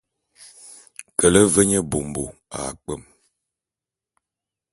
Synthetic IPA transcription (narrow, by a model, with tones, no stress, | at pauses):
kə˨lə˦və˦ɲə˦bo˨mbo̰˨a̰˨k͡pə˦˨m